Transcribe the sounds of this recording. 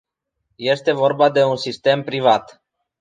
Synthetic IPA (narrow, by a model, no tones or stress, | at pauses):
je̞st̪e̞vo̞rbad̪e̞unsist̪e̞mpɾivat̪